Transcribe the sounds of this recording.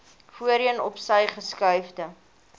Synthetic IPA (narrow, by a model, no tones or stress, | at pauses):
fuəɾənɔpsəjχəskœɥfdə